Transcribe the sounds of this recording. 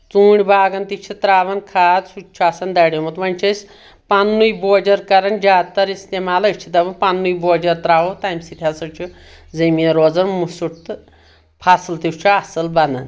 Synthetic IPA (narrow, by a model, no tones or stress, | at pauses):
t͡suːɳʲbaːɡɐnt̪ikt͡ʃʰit̪ɾaːʋɐnkʰaːd̪sut͡ʃʰuasɐnd̪ɐɽʲjemut̪ʋɐnʲt͡ʃʰɐsʲ | panːujboːd͡ʒɐɾkɐɾɐɳd͡ʒaːd̪t̪ɐɾist̪emaːlɐt͡ʃʰid̪ɐʋɐnpanːujboːd͡ʒɐɾt̪ɾaːʋot̪ajmsit̪ʰʲasɐt͡ʃʰu | d͡zɐmieɾod͡zɐnmusuʈt̪ | pʰaslt̪iwt͡ʃʰuasɐlbɐnɐ̰n